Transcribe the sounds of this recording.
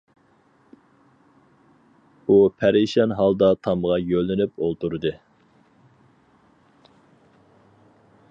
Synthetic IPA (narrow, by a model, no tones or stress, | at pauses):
upʰæɾɪʃɛnɦɑlˠd̪ɑt̪ʰɑmʁɑjølːɪnypolˠt̪uɾɨd̪ɨ